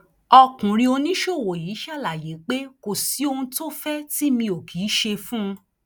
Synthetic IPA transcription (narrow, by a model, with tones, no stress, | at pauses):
ɔ˧kũ˨ɾĩ˧o˧nĩ˦ʃo˦˨wo˨jiː˨˦ʃa˦˨la˨je˨˦k͡pe˦ko˨si˨˦o˧hũ˧to˦fɛ˦ti˦mĩ˧o˨kʰiː˨˦ʃe˧fũ˦˧